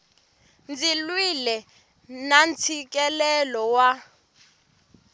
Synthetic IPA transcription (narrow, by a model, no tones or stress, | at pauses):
nd͡zilwilɛ | nant͡sʰik̬ʼɛlɛlɔwa